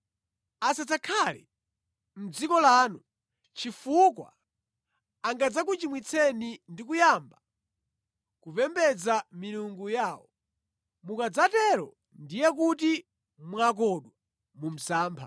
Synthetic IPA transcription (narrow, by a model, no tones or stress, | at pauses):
asat͡sakʰalɛ̰ | m̩d͡zikɔlaːnu | t͡ʃifukwa̰ | aŋɡad͡zak̬ut͡ʃimwit͡sʰɛnindik̬ujamba | kupɛmbɛd͡zamiɾuŋɡujaːwɔ | mukad͡zatɛɾɔ̰ | ndijɛk̬uti | mwak̬ɔɗwa | mum̩saːmpʰa̰